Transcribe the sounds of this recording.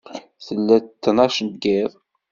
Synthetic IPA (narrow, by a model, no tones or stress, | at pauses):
θəlːæt̪ːnɑʃənɡɪðˤ